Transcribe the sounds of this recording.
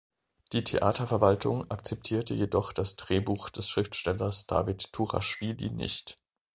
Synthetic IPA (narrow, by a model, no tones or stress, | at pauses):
d̥iːtʰeʔa̰ːtɐfɛɐvaltʰʊŋak̚t͡sɛp̚tʰiːɐtəjedɔχd̥asd̥ʁeːbuːxd̥ɛsʃʁ̥ɪftʃtɛlɐsd̥a̰ːvɪtʰːuʁa̰ʃv̥iːlḭnɪ̰çt